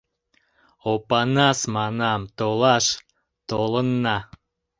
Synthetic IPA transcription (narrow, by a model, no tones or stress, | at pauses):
opɑnɑsmɑnɑmt̪olˠɑʃ | t̪olˠə̆nːɑ